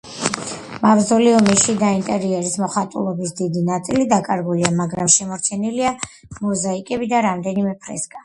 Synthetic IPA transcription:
mavzɔliɔmiʃid̪aint̪ʼɛɾiɛɾismɔχat̪ʼṵlˠɔbisd̪id̪inat̪sʼilid̪akʼaɾɡuliamaɡɾamʃɛmɔɾt͡ʃʰɛnilia | mɔzaikʼɛbid̪aɾamd̪ɛnimɛpʰɾɛ̰skʼa

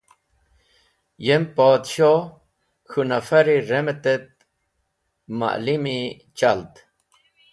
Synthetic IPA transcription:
jempaːt̪ɕo | xunafɐɾiɾemet̪et̪̚ | ma̰ʔlimi | t͡ɕalt̪

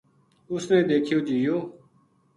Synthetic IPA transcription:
ʊsnẽːd̪eːkʰɪjoːd͡ʒijoː

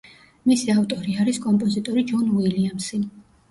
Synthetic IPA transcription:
misiaft̪ʼɔɾiaɾiskʼɔmpʼɔzit̪ʼɔɾid͡ʒɔnuiliamsi

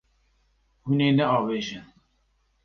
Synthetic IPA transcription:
huneːnɛɑːveːʒɨn

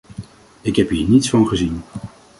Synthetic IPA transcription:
ɪkɦɛpɦiːɹnitsfɑnχəzin

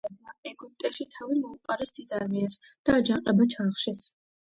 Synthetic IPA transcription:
baɛɡup̚t̪ʼɛʃit̪ʰavimɔuqʼaɾɛsd̪̥id̪aɾmias | d̪̥aːd͡ʒaqʼɛbat͡ʃʰaːχʃɛs

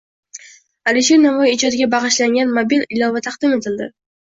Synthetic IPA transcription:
alɪʃ̬eɾnavɒjɪd͡ʒɒd̪ɪɡʲabɑʁɨʃlaŋɡʲanmobilɪlɒvat̪ʰɑqd̪ɪme̞t̪ʰɪld̪ɪ

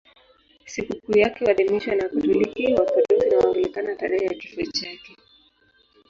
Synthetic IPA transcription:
sikukuːjakɛwaðimiʃwanakutulikiwapɔɾɛzinawamdulikanataɾɛhɛja̰kifut͡ʃakɛ

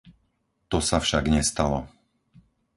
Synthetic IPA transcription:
t̪ɔsafʃaɡɲɛst̪alɔ

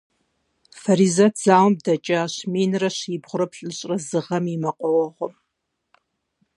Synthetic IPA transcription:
fɐɾiːzɐtʰz̥aːwmdɐt͡ʃʼɐɕmiːnrɐɕibʁʷʊɾɐpɬʼɨɕʼrɐzɨʁɐmimɐqʷʼɔwɔʁʷɔ̰m

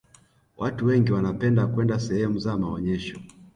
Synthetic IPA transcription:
wʔatuwɛŋɡiwanapɛndakwɛndasɛhɛmuzamaɔɲɛʃɔ

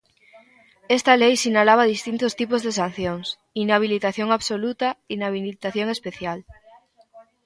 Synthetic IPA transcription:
est̪alejsinalaβ̞aðist̪int̪ost̪ipozðesan̟θjoŋs | inaβ̞ilit̪aθjoŋaβsolut̪ainaβilit̪aθjoŋespeθjal

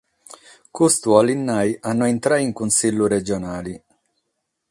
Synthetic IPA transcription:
kust̪ualinːajʔanːɔent̪ɾaiŋkunsilːuɾɛd͡ʒɔnaːli

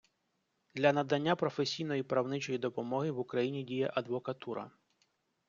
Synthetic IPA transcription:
d̪lʲɐnɐd̪ɐnʲːapɾɔfesʲijn̪ɔjipɾɐwnɪt͡ʃɔjid̪ɔpɔmɔɦɪʋukɾɐjinʲidʲijɛ̰ʔɐd̪ʋɔkɐt̪uɾɐ̰

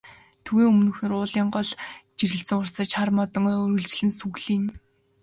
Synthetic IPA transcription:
t̪ʰuɣeːɵmnɵ̆x̆n̆rʊːɮiːɴɢɔɮt͡ɕirɣɘ̆ɬt͡sɘ̆ŋʊrsə̆ːt͡ɕarmɔt̪ɞ̆ŋɾɵ̆ɮt͡ɕɮɘ̆nsuɣɮiːn

